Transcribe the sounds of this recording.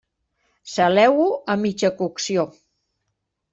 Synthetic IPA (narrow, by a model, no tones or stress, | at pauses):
səlɛwuəmit͡ʃəkuksio